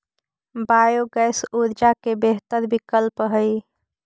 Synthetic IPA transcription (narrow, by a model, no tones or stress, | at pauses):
bajoɡəjsuɾd͡ʒakebeɦt̪əɾbikəlpɦəj